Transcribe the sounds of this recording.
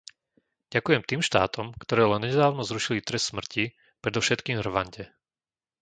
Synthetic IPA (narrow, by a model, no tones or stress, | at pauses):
ɟ̥akujɛmt̪iːmʃt̪a̰ːt̪ɔmkt̪ɔɾɛːlɛnɲɛd̪aːʊnɔzɾuʃilit̪ɾɛst̪smr̩ci | pɾɛd̪ɔfʃɛt̪kiːmr̩ʋaɲɟɛ